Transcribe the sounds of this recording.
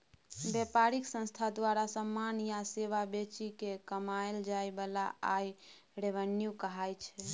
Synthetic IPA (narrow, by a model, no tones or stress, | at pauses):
bepaɾiksə̃nst̪ʰad̪waɾasəmːanjaseʋabet͡ʃikekəmaeld͡ʒaebəlaa̰j | ɾeʋənjukəɦajt͡ʃʰɛ